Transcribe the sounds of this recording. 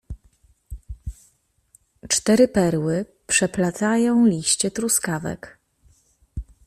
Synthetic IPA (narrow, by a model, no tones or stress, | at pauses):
t͡ʂt̪ɛɾɘpɛɾwɘ | pʂɛplat̪sajɔ̃w̃lʲiɕt͡ɕɛt̪ɾuskavɛ̰k